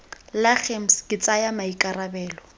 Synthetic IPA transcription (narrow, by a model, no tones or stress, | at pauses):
laχem̩skʼɪt͡sʼajamaikʼarabɛːlɔ